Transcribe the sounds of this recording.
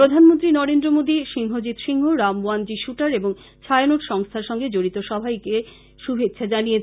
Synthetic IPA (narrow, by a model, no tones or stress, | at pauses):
ɾod̪ʱanmont̪ɾinɔɾend̪ɾomod̪iʃiŋɦod͡ʑit̪ʃiŋɦoɾamoand͡ʑiʃuʈaɾeboŋ | t͡ɕʰajanoʈʃɔŋst̪ʰaɾʃɔŋɡed͡ʑoɽit̪oʃɔbʱajke | ʃubʱet̪ːɕʃʰad͡ʑanijet͡ɕʰ